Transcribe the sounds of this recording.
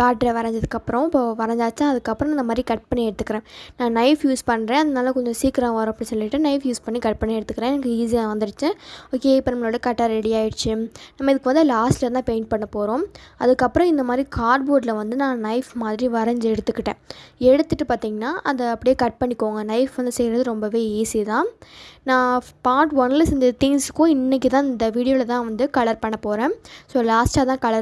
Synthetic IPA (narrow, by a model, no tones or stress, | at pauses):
kaːʈɾeʋɐɾɐɲd͡ʒɐðɯkːɐpːɾɔ̃ɪpːoʋɐɾɐɲd͡ʒaːt͡ʃːãːɐðɯkːɐpːɯɾɔ̃ɪnd̪ɐmaːd̪ɾikɐʈ̚pɐɳːiɛɽɯt̪ːɯ̥kːɪɾẽːnãːnɐɪfjuːspɐɳːɾẽːɐðɐnaːlɐkɔɲd͡ʒɔ̃siːkɪɾɐ̃ɐɾõɐpːɐɽĩsɔlːɪʈːɯnɐɪfjuːspɐɳːikɐʈ̚pɐɳːiɛɽɯt̪ːɯkːɪɾẽːɛnɐkːɯiːsijaːʋɐnd̪ɯɽɯt͡ʃːɯoːkeːɪpːɐnɐmːɐloːɽɯkɐʈːaɾɛɽɪjaːjɪɽɯt͡ʃːɯnɐmːɐɪðɯkːɯʋɐnd̪laːsʈlɐt̪ãːpeːɳʈ̚pɐɳːɐpoːɾõːɐðɯkːɐpːɯɾɔ̃ɪnd̪ɐmaːd̪ɾikʰaːɾɖboːʈlɐʋɐnd̪ɯnãːnɐɪfmaːðɪɾiʋɐɾɐɲd͡ʒɛɽɯt̪ːɯkːɪʈːḛ̃ːɛɽɯt̪ːɯʈːɯpaːɾt̪iːŋɡɐnːaːʔɐðɐɐpːɐɽɪjeːkɐʈ̚pɐɳːɪkːoːŋɡɐnɐɪfʋɐnd̪ɯsɛjɾɐðɯɾɔmbɐʋeːiːsit̪ãːnãːpaːʈʋɔnlɐsɪnd̪ɐt̪ɪŋsɯ̥kːʊ̃ɪnːɛk̬ːit̪ãːɪnd̪ɐʋiːɽɪjoːlɐt̪ãːʋɐnd̪ɯkɐɭɐɾpɐɳːɐpoːɾẽːsoːlaːsʈaːt̪ãːkɐɭɐɾ